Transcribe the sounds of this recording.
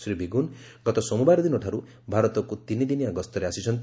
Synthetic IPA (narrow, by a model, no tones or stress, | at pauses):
sɾibʱiɡun | ɡɔt̪ɔsɔmubaɾɔd̪inɔʈʰaɾu | bʱaɾɔt̪ɔkut̪inid̪inijaɡɔst̪ɔɾeasit͡ʃʰɔnt̪